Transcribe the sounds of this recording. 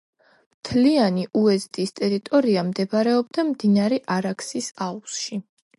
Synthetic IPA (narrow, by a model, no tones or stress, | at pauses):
mt̪ʰlianiʔuɛzt̪ʼist̪ʼɛɾit̪ʼɔɾiamd̪ɛbaɾɛɔbd̪amd̪inaɾɛʔaɾaksisausʃi